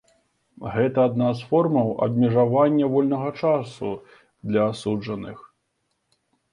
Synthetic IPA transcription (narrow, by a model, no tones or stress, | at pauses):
ɣɛt̪ɐːd̪nasfɔrmɐwɐ̰bʲmʲɛʐavanʲːɐvɔlʲnɐɣɐt͡ʂasu | d̪lʲɐːsud͡ʐɐnɨx